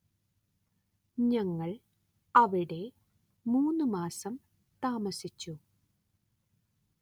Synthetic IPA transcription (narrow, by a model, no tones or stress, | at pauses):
ɲɐŋːɐɭ | ɐʋiɽe̞ | muːnːumaːsɐm | t̪aːmɐsit͡ɕːu